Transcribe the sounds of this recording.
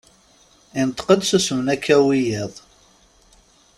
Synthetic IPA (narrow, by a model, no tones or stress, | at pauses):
int̪ə̥qəd̪susmənækʰːæwijiðˤ